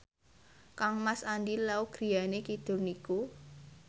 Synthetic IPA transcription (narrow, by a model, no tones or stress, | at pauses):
kaŋmasandilauɡ̥ɾi̤janekid̪̥ṳrniku